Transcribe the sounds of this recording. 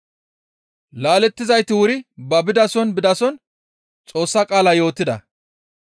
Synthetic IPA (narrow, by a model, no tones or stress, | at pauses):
laːlɛt̪ːɪzɐjt̪ɪwʊɾɪbɐbɪd̪ɐsɔnbɪd̪ɐsɔn | t͡sʼo̞ːsːɐkʼaːlɐjo̞ːt̪ːɪd̪ɐ̰